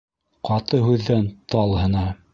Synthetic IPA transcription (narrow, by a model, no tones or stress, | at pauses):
qɑt̪ɤɦʉðːænt̪ɑlˠhɤ̆nɑ